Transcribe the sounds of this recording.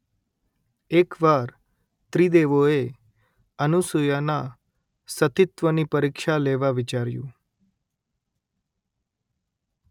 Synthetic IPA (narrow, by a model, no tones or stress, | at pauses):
ekʋaɾ | t̪ɾid̪eʋoe | ənusujana | sət̪ɪt̪ʋənipəɾikʃaleʋaʋɪt͡ʃaɾjṵ̃